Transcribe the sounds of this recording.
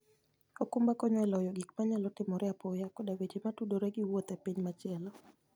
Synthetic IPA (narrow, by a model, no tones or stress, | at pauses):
ɔkumbakɔɲɔɛlɔjɔɡik̚maɲalɔtɪmɔɾɛapɔjakɔdawed͡ʒematudoɾeɡiwot̪ɛpiɲmat͡ʃɛlɔ